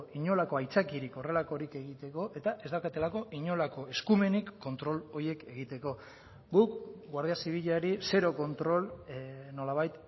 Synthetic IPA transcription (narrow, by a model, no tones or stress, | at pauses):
iɲo̞lako̞ajt͡sakiɾiko̞re̞lako̞ɾike̞ɣ̞it̪e̞ko̞ʔe̞t̪aʔe̞zd̪akat̪e̞lako̞ʔiɲo̞lako̞e̞skume̞nikːo̞nt̪ɾo̞lo̞ɾie̞ke̞ɣit̪e̞ko̞ | ɡukɡwaɾð̞iasiβ̞iʎaɾise̞ɾo̞ko̞nt̪ɾo̞lno̞laβ̞ajt̪